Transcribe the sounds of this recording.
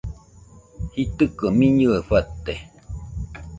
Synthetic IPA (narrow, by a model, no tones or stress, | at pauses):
hit̪əkəmiɲɨeɸat̪ːe